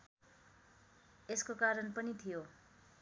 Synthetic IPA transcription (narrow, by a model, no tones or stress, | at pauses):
eskokaɾʌnpʌnit̪ʰijo